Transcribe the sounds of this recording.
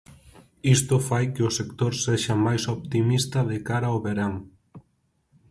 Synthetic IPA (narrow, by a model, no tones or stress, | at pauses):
ist̪ofajkeosekt̪oɾseʃamajsop̚t̪imist̪ɐðekaɾaoβeɾaŋ